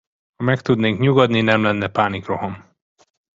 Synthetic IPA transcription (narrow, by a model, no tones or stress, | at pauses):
hɒmɛkt̪ud̪neːŋkɲuɡɒd̪ninɛmlɛnːɛpaːnikro̞ɦɒm